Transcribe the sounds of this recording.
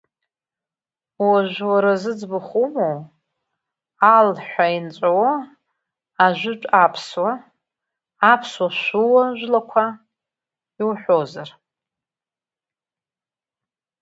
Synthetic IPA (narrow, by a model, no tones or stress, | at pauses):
waʒʷᶣwaɾazɨd͡zbɨχumow | alħʷaint͡ʃʷʼawa | aʒʷᶣʏʈ͡ʂʷʼapʰswa | pʰswaʃʷuwaʒʷᶣlakʷʰa | iwħʷozar